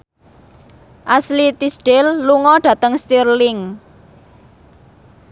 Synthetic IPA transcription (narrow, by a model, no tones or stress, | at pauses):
ʔaslit̪isɖ̥elːuŋɔɖ̥ä̤t̪əŋst̪irlɪŋ